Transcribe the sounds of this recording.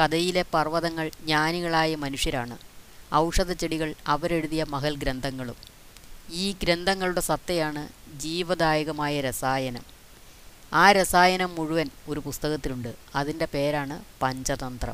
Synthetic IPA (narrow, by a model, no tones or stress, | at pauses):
kɐd̪ɐjile̞pɐrʋɐðɐŋːɐɭɲaːniɣɐɭaːjɐmɐnuʂjɐɾaːɳɨɐwʂɐðɐt͡ɕːeɽiɣɐɭɐʋɐɾe̞ɽuðijɐmɐɦɐlɡɾɐnd̪ʱɐŋːɐɭum | iːɡɾend̪ʱɐŋːɐɭuɽe̞sɐt̪ːɐjaːɳɨd͡ʑiːʋɐd̪aːjɐɣɐmaːjɐɾɐsaːjɐnɐm | aːɾɐsaːjɐnɐmːuɻuʋɐno̞ɾupust̪ɐɣɐt̪ːiluɳɖɨɐðinde̞pe̞ːɾaːɳɨpɐɲd͡ʑɐðɐnd̪rɐ̰m